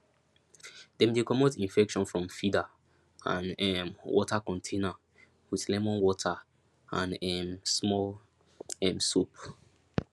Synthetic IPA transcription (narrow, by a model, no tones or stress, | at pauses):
d̥ɛ̃mdekɔmotĩnfɛkʃɔ̃nfɹɔ̃mfida | ã̰nɛmwɔ̰takɔ̃ntʰẽna | wiθlɛmɔ̃nwɔtʰa | ãnɛmsmɔl | ɛ̃msup